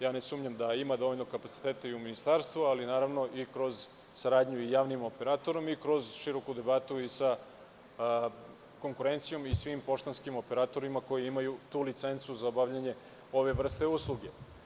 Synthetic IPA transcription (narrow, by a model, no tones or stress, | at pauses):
jaːnesuːmɲamd̪aimad̪o̞ʋoʎʲno̞kapat̪si̥t̪eːt̪eiuminist̪aɾst̪vʋualinaːɾaʋno̞ʔikɾo̞z | saɾaːd̪ɲuijaːʋnimo̞pe̞ɾat̪o̞ɾo̞mikɾo̞zʃiɾo̞kud̪e̞bat̪uisa | ko̞ŋkuɾe̞nt̪sijo̞misʋimpo̞ʃt̪anskimo̞pe̞ɾat̪o̞ɾimako̞jiimajut̪uːlit̪se̞nt̪suzaobavʎaɲe̞ | o̞ʋe̞ʋr̩st̪e̞uslˠuɡe̞